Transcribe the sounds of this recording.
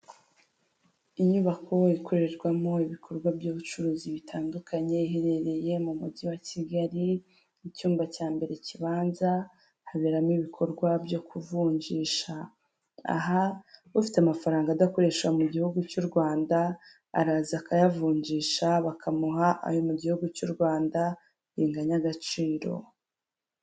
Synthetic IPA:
iɲuβakʰo̞ikʰo̞ɾe̞ɾɡwamoiβikʰo̞ɾɡwabjoːβut͡ʃuɾuːziβitʰaːndukʰaɲe̞iɦeɾe̞ɾe̞je̞mumudiwaciɡaɾi | icuːmbacaːmbe̞ɾe̞ciβaːnza | haβeɾamiβikʰo̞ɾɡwabjo̞kuvuːɲɟiːʃa | a̰ɦaufi̥teamafaɾaːŋɡaːdako̞ɾe̞ʃwamuɟihuɡut͡ʃuɾɡwaːnda̰ː | ɾaːzakajavuːɲɟiːʃaβakʰamuɦaʔa̰jomuɟihuɡut͡ʃuɾɡwaːnda | ɾiːŋɡaɲaɡat͡ʃiːɾo̞̰

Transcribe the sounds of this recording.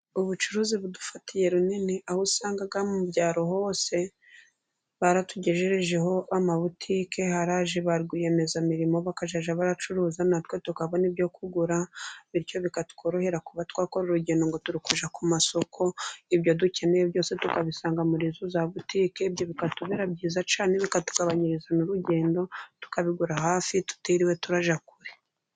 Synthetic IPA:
uβut͡ʃuɾuːziβudufatʰije̞ɾuniniʔahusaːŋɡaɡamumubɟaːɾo̞ho̞ːse̞ | βaɾatuɟe̞ʒeɾeʒe̞ɦo̞amaβutʰiːke̞haɾaʒiβaɾɡije̞me̞zamiɾimo̞βakaʒaʒaβaɾat͡ʃuɾuːzanatwe̞tukaβonibjo̞kʰuɡuɾaβiɾco̞βikatu̥kʰoɾohe̞ɾakuβatkwaːko̞ɾuɾuɟe̞ːndo̞ŋɡo̞tuɾukuʒakumaso̞kʰo̞ibjo̞duce̞nejebjo̞ːse̞tukaβisaːŋɡamuɾizuzaβutiːke̞bjo̞βikatuβeɾabɟiːzat͡ʃaːne̞βikatu̥ɡaβaɲiɾizanuɾuɟe̞ːndo̞tu̥kaβiɡuɾaɦaːfitu̥tiɾiwe̞tuɾaʒakuɾe

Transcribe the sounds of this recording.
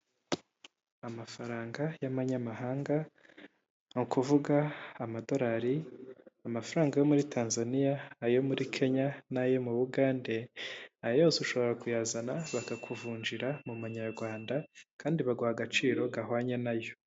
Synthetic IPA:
amafaɾaːŋɡajamaɲamaɦaːŋɡa | ŋukuvuɡaːmado̞ɾaɾiamafaɾaːŋɡajo̞muɾitʰaːnzanijaːjo̞muɾikʰe̞ɲanajo̞muβuɡaːnde̞ajoːsuʃo̞βo̞ɾakujaːzanaβakakʰuvuːɲd͡ʒiɾamumuɲaɾɡwaːndakaːndiβaɡwaaɡat͡ʃiːɾo̞ɡaɦwaːɲenajo̞

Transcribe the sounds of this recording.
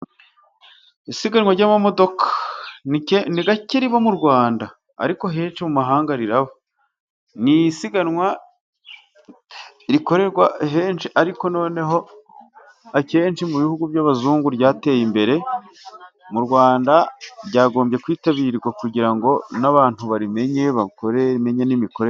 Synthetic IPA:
isiɡanŋwaɾɟaːmamo̞do̞kḁnieniɡaciɾiβamuɾɡwaːnda̰ː | ɾiko̞ɦeːnt͡ʃimumaɦaːŋɡaɾiɾaβo | nijisiɡanŋwa | iɾiko̞ɾe̞ɾɡwaɦeːnt͡ʃiʔaɾiko̞no̞ːne̞ɦo̞ | ace̞ːnt͡ʃimuβihuɡuvjaβazuːŋɡuɾjaːte̞ːjimbe̞ɾe̞ | muɾɡwaːndaɾɟaːɡo̞ːmbje̞kwiːtaβiɾiɾɡwakuɟiɾaŋɡo̞naβaːn̥huβaɾime̞ɲe̞βakoɾeme̞ɲenimiko̞ɾe

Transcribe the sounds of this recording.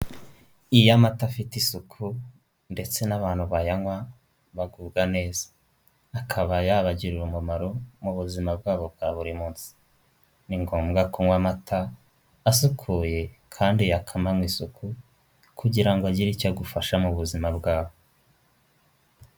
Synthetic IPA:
ijamatafitisukʰu | nde̞t͡se̞naβaːn̥huβajaŋwa | βaɡuːbɡane̞ːzḁː | kʰaβajaβaɟiɾiɾumumaɾomuβuzimabɡaːβo̞bɡaβuɾimuːnsi̥ | niŋɡoːmɡakʰuŋwamatʰaː | sukʰuːje̞ | kʰaːndijakʰamamwiːsukʰu | kuɟiɾaŋɡoaɟiɾicaɡufaʃamuβuzimabɡaːβo

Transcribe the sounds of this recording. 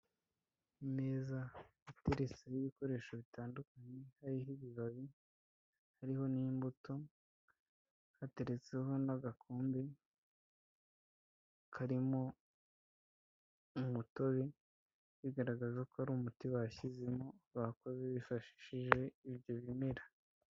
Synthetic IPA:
ime̞ːzahate̞ɾe̞t͡sejiβiko̞ɾe̞ːʃoβitaːndukaɲe̞haɾiɦiβiβaβi | haɾiɦo̞nimbuto̞ | hate̞ɾet͡seɦo̞naɡakʰoːmbi | kʰaɾimo̞ | umuto̞βe | βiɡaɾaɡazakoaɾumutiwaçizemoβakozeβifaʃi̥ʃiʒe̞iβjo̞βime̞ɾa

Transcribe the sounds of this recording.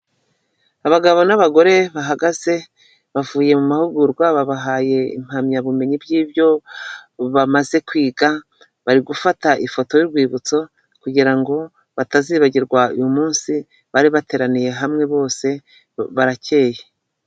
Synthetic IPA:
aβaɡaβo̞naβaɡo̞ɾe̞βaɦaɡaze̞ | βavuːje̞mumahuɡuɾɡwaβaβaɦaːje̞ḭm̥hamɲaβume̞ɲibjiːbjo̞ | βamaze̞kwiːɡa | βaɾiɡufataʔifo̞tojuɾɡwiːβut͡so̞ | kuɟiɾaŋɡo̞ | βataziβaɟiɾɡwaujumuːnsi | βaɾiβate̞ːɾanije̞ɦamŋe̞βo̞ːse̞ | βaɾace̞ːje

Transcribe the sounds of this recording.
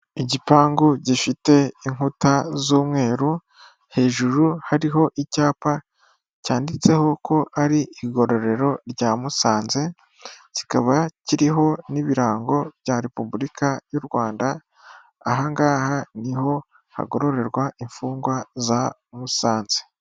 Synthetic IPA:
iɟipaːŋɡuɟifite̞iŋhutazuːmŋe̞ːɾu | he̞ːʒuɾuhaɾiɦo̞ʔicaːpa | caːndit͡se̞ho̞kʰo̞ʔaɾiːɡo̞ɾo̞ɾe̞ɾo̞ɾɟamusaːnze̞ | ci̥kaβaciɾiɦo̞niβiɾaːŋɡo̞βjaɾe̞pubulikʰajuɾɡwaːndaː | ɦaŋɡaːhaniho̞ | ha̰ɡo̞ɾo̞ɾe̞ɾɡwaʔiɱfuːŋɡwaza | musaːnze̥

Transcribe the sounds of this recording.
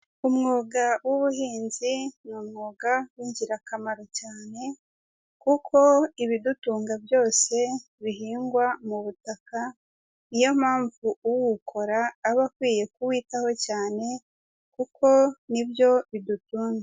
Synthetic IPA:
umŋoːɡawuβuhiːnzinumŋoːɡawiːɲɟiɾakamaɾo̞caːne̞ | kukʰo̞iβidutuːŋɡabjo̞ːse̞ | βiɦiːŋɡwamuβutaka | nijo̞maːɱvuuwukʰo̞ɾaːβakwiːje̞kuwiːtaho̞caːne̞ | kukʰo̞nibjo̞βidutuːŋɡa

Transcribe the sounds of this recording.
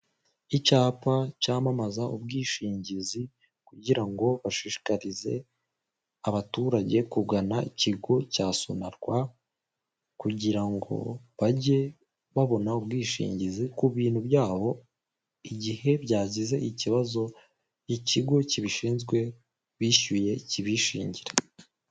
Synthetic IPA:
icaːpacaːmamazaubɡiːʃiːɲɟizi | kuɟiɾaŋɡo̞βaʃiʃi̥kaɾize̞ | aβatuːɾaɟe̞kubɡanaiciɡo̞caːso̞̰naɾɡwa | kuɟiɾaŋɡo̞̰βaɟe̞ | βaβo̞naubɡiːʃḭːɲɟizikuβiːnhuβjaːβo̞ | iɟihe̞bjaːzize̞ʔiciβazo̞ | jiciɡo̞ciβiʃiːnzɡwe̞ | βiːʃuje̞ciβiʃḭːɲɟiɾe

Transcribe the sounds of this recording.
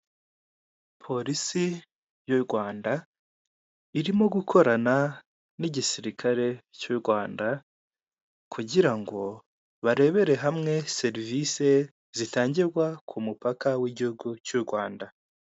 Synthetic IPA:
pʰo̞ɾisi | juɾɡwaːnda | iɾimo̞ɡukʰo̞ɾana | niɟisiɾikʰaɾe̞cuɾɡwaːnda | kʰuɟiɾaŋɡo̞ | βaɾe̞βe̞ɾe̞ɦamŋe̞se̞ɾvise̞ | zitaːɲɟiɾɡwakʰumupakawiɟihuɡucuɾɡwaːnda

